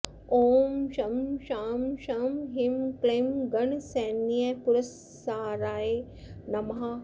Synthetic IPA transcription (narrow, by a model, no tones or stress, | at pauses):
oːmʃɐmʃaːmʃamɦimkleːmɡɐɳseːnijɐpʊɾɐsː | aːɾaːe | nɐmɦa